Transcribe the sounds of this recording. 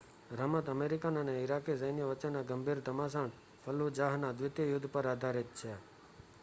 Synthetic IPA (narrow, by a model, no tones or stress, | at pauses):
ɾəmət̪əmeɾikanəneɪɾakisəjnjəʋət͡ʃənːaɡəmbʱiɾd̪ʱəmas̬aɳ | pʰəlud͡ʒaɦnad̪ʋɪt̪jəjʊd̪ʱːpəɾad̪ʱaɾit̪̚t͡ʃʰe